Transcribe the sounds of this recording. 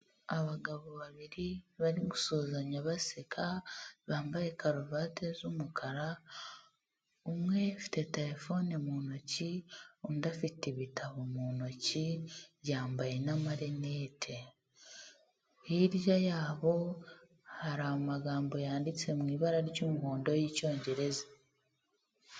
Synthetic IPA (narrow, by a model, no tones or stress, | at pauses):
aβaɡaβoβaβiɾiβaɾiɡusoːzaɲaβasekʰaβaːmbaje̞kaɾuvaːte̞zumukʰaɾa | umŋe̞fi̥te̞teɾe̞fo̞nemuːno̞ciondafiteβitʰaβomuːno̞ciβjaːmbaje̞namaɾenetʰe | iɾjajaːβo̞ | haɾaumaɡaːmbo̞jaːndit͡se̞mŋiːβaɾaɾcumuhoːndo̞jico̞ːɲɟe̞ɾe̞za